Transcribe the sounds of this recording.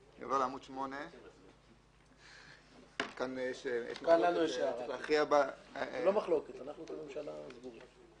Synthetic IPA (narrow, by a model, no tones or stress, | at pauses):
a̰voʁleamud̪ʃmone | kanjeʃjḛʃmkanlanueʃatlaχiabalomaχloket̪anaχnukomimʃalazɡuʁi